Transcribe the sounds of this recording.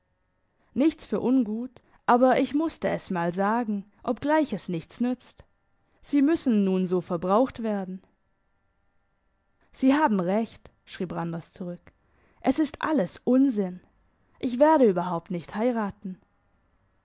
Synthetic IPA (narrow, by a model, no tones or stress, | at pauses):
nɪçt͡sfyːɐʔʊnɡuːt | ʔaːbɐʔɪçmʊstəɛsmaːlzaːɡŋ̩ | ʔɔpɡ̥laɪçɛsnɪçt͡snʏt͡st | z̥iːmʏsn̩nuːnzoːfɛɐbʁaʊxtv̥eːɐdn̩ | z̥iːhaːbm̩ʁɛçt | ʃʁ̥iːpʁandɐst͡suʁʏk | ʔɛsɪstʔa̰ləsʔʊnzɪn | ʔɪçv̥eːɐɾəyːbɐɦaʊp̚tnɪçthaɪʁaːtn̩